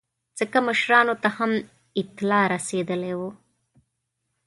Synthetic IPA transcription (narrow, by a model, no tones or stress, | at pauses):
d͡z̥əkaməʃɾɑnot̪aham | ɪt̪lɑɾased̪əlewo